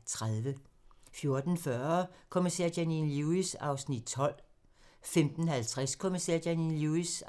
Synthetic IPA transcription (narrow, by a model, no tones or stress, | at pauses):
t͡sʰʁaðˠʋəfjo̝ɐd̥n̩fɶɐkʰo̝misɛ̰ɐ̰d̥æninluisɑ̈ʊsnid̥̚t͡sʰɒ̽l̰ | femd̥n̩hælt͡sʰʁaskʰo̝misɛɐ̰̥jæninluis